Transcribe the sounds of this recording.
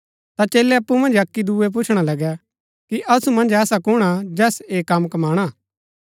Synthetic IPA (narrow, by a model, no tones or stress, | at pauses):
t̪at͡ʃeːlɛɐpːumɐ̃nd͡ʒɐkːid̪uep̬ʊt͡ʃʰɽ̃alɐɡɛ | kiʔɐsumɐ̃nd͡ʒɛːsakʊɽ̃ad͡ʒɛːseːkɐmkɐmaːɽ̃a